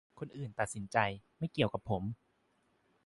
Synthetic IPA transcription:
kʰo˧nʔɯː˨˩nt̪a˨t̪̚si˩˦nt͡ɕa˧jma˥˩jki˨˩əwka˨˩pʰːo˩˦m

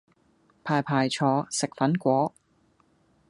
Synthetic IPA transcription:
pʰaː˨˩jpʰaː˨jt͡ʃʰɔː˨˧˥sɪ˨k̚fɐ˨˥nkʷɔː˨˥

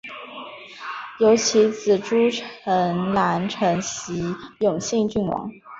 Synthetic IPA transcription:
jo˧˥ʊt͡ɕʰi˧˥t͡sɹ̩˨˩ʈ͡ʂu˥ʈ͡ʂʰə˧˥ŋla˧˥nʈ͡ʂʰɤ˧˥ŋɕi˧˥jʊ˨˩ŋɕi˥˧ŋt͡ɕy˥˩nwɑ̰˧˥˦ŋ

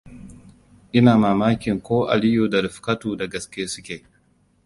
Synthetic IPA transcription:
ʔɪ˦naː˨maː˨maː˦kʲɪ˨ŋkʷoː˦ʔa̰˨lɪ˦joː˨da˨ɾɪ˨ɸka˦tuː˨da˨ɡɐ˨skʲeː˦sʊ˦kʲeː˨

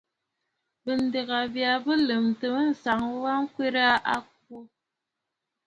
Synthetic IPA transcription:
bə˨n̩˦de˨ɣa˨bja˨bə˦lə˨mtə˨mə˦n̩˨sa˨ŋ˦wa˦ŋ̩˦kwe˦ɾa˦ʔa˦k̚wu˦

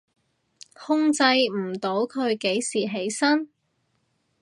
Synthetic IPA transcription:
hʊ˥ŋt͡sɐ˧jm̩˨˩t̪o˨˥wkʰɵ˨˧ɥke˨˥jsiː˨˩ɦe˨˥jsɐ˥n

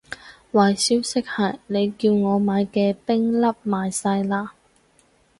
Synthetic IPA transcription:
waː˨jsi˨˥wsɪ˥k̚hɐ˨jne˨˧jkiː˧wŋɔː˨˧maː˨˧jkɛː˧pɪ˥ŋlɐ˥p̚maː˨jsɐ˧jlaː˧

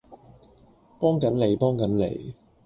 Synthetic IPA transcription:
pɔː˥ŋkɐ˨˥nle˨˧jpɔː˥ŋkɐ˨˥nlḛ˨˩j

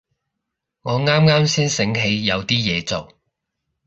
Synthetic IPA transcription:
ŋɔː˨˧ŋaː˥mŋaː˥msiː˥nsɪ˨˥ŋɦe˨˧jːɐ˨˧wt̪iː˥jɛː˨˧t͡so˨w

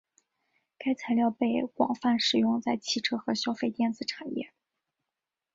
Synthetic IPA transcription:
ka˥ɪt͡sʰa˧˥ɪljɑ˥˧ʊpe˥˩ɪkwɑ̰˨˩ŋfa˥˩nʂɻ̩˨˩jʊ˥˧ŋt͡sa˥˧ɪt͡ɕʰi˥˩ʈ͡ʂʰɤ˥xɤ˧˥ɕjɑ˥ʊfe˥˧ɪt̪jɛ˥˩nd͡zɹ̩˨˩ʈ͡ʂʰa˨˩njɛ̰˥˩

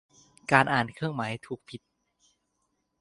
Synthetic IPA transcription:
kaː˧nʔaː˨˩nkʰɯ˥˩əŋmaː˩˦jt̪ʰuː˨˩k̚pʰi˨˩t̪̚

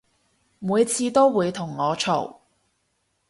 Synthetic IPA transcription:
muː˨˧jt͡sʰiː˧t̪o˥wwuː˨˧jt̪ʰʊ˨˩ŋːɔː˨˧t͡ʃʰo˨˩w

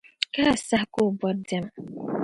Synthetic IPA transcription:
ka˦˨sa˦kʊ˦˨bɔ˨de˨m˨

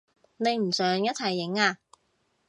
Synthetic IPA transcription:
ne˨˧jm̩˨˩sœː˨˥ŋjɐ˥t̚t͡sʰɐ˨˩jːɪ˨˥ŋaː˧

